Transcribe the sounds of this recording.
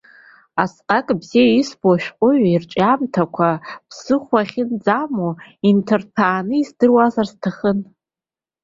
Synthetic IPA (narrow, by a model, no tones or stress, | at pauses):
asqʼakʼbzijaisboʃᶣqʷʼʊɥirt͡ʃʼamtʰakʷʰapʰsɨχʷaχʲɪnd͡zamointʰɨrtʰaːnɨizdɨrwazarstʰaχən